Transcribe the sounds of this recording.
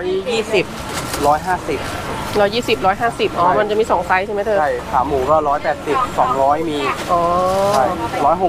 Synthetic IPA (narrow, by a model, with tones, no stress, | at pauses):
jjːiː˥˩si˨˩p̚ | ɾɔː˦˥jɦaː˥˩si˨˩p̚ | ɾɔː˦˥jːiː˥˩si˨˩p̚ɾɔː˦˥jɦaː˥˩si˨˩p̚ʔɔː˧˩ma˧nt͡ɕa˨˩miː˧sɔː˩˦ŋsa˦˥jt͡ɕʰm˦˥t̪ʰɤː˧a˥˩jt̪ʰaː˩˦mːuː˩˦kɔː˥˩ɾɔː˦˥jpɛː˨˩t̪̚si˨˩p̚sɔː˩˦ŋɾɔː˦˥jmiː˧ʔɔː˨˧a˥˩jɾɔː˦˥jɦo˨˩